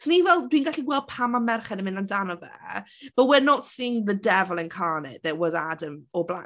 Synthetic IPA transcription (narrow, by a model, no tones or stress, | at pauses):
tʰɔnivɛlˠdwiːnɡaɬiɡwɛlˠd̚pʰamamɛrχɛdəmɪ̃ndandanɔvɛ̰ | b̥əwɪnɔtsiːŋðədɛvəlˠɪ̃nkʰaːnɛ̰tðəʔwɔzadəmɔblˠa